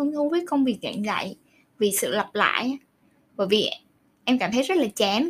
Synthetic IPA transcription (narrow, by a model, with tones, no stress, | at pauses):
ə˧nt̪ʰu˨˦vəː˨˦jkə˧wŋ͡mvi˨˩ək̚za̰ː˧˨ŋza̰ː˧˨j | vi˨˩sɨ̰˧˨lə˨˩p̚la̰ː˧˨j | vəː˧˨˩jvi˨˩ | ʔɛ˧mkaː˧˩mt̪ʰə˨˦jzə˦˥t̚laː˨˩t͡ɕɛ˨˦m